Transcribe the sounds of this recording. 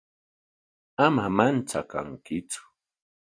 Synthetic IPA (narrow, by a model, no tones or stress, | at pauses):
amamant͡saka̰ŋkɪt͡sʊ̥